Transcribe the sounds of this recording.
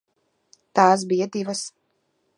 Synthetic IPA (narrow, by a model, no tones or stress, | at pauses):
t̪aːs̬bijad̪ivɐs